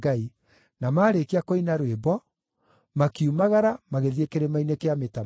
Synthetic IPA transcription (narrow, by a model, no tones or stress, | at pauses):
ɡai | namaːɾekiakoinaɾwebɔ | makiumaɣaɾamaɣeðiekeɾemainekeameta